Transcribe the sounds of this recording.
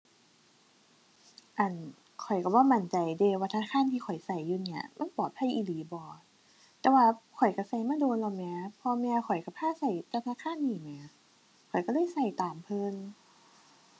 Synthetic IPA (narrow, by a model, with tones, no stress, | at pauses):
ʔa˧˩n | kʰɔ˨˩jka˧˩bɔː˧˩˨ma˨˩˦nt͡ɕa˧˨˩jdeː˧waː˧t̪ʰkʰaː˧˥˨nt̪ʰiː˧kʰɔ˨˩jsa˧˩jːuː˧ni˧˩ɐ̰ma˧˥˨npɔː˨˩t̪̚ʰa˧˥˨jʔiː˧˩liː˨˦bɔː˨˩ | t̪ɛː˧waː˧kʰɔ˨˩jka˧˩sa˧˩jmaː˧˥˨doː˧nlɔ˧˩mɛː˧˥˦pʰɔː˧mɛ˧kʰɔ˨˩jka˧˩pʰaː˧˥˨sa˧˩jt̪ɛ˧t̪ʰa˧˥kʰaː˧˥˨nːiː˧˩mɛː˧˦ | kʰɔ˨˩jka˧˩lɤː˧˥˨jsa˧˩jt̪aː˨˩mpʰɤ˧˥˨ŋ